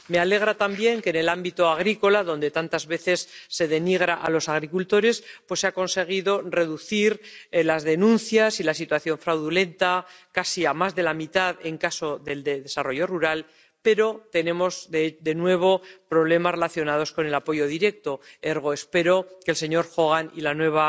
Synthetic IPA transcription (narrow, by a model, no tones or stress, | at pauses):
me̞ale̞ɣɾat̪ambje̞ŋke̞ːne̞lambit̪oaɣ̞ɾiko̞laðo̞nd̪e̞t̪ant̪azβe̞θe̞sːe̞ðe̞niɣ̞ɾaʔa̰lo̞saɣ̞ɾikult̪o̞ɾe̞spwe̞sːeako̞nse̞ɣ̞iðore̞ðuθiɾlazðe̞nũnθjasilasit̪waθjo̞ɱfɾawðulẽ̞nt̪akasiamazðe̞lamit̪aðe̞ŋkaso̞ðe̞ld̪eðe̞saro̞ʝo̞ruɾal | pe̞ɾo̞t̪e̞nẽ̞mo̞zðd̪e̞nwe̞β̞o̞pɾo̞β̞le̞masre̞laθjo̞nað̞o̞sko̞ne̞lapo̞ʝo̞ðiɾe̞k̚t̪o̞e̞ɾɣ̞o̞espe̞ɾo̞ke̞lse̞ɲo̞ɾxoɣanilanwe̞β̞a